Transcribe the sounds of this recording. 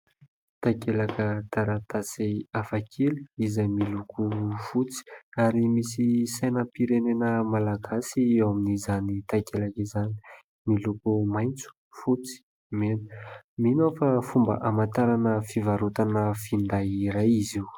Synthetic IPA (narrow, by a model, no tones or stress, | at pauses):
t̪akelakət̪aɾat̪asiafakʰeluizajmilukʰufut͡si̥aɾimisisajnəpiɾenenəmalaɡasiewaminizanit̪akelakizani̥ | milukumajnt͡su̥ | fut͡si̥ | menə̥minofafumbə̰ʔamant̪aɾanəfivaɾut̪anəfind̪ajiɾajiziw